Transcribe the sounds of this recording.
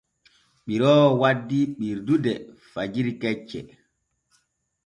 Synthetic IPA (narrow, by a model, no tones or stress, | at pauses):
ɓiɾɔːwadːiɓiɾdudɛ | fad͡ʒiɾikɛt͡ʃːɛ̰